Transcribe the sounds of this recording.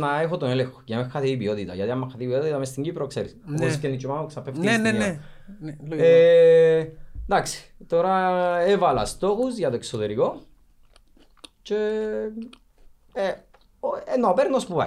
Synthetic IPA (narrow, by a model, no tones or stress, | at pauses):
nɐexot̪oneleŋxo̥ʝɐmexːɐθiːbiot̪it̪ɐ̰ʝɐt̪iɐmːɐxːɐθibiot̪it̪ɐmest̪iɲɟipɾokseɾḭsscenːit͡ʃːomɐmoksɐpeft̪ienee | e | d̪aksi̥t̪oɾɐevɐlɐ̰st̪o̞xuzʝɐt̪oeksot̪eɾiko̞ | ce | enːopeɾnospupa̰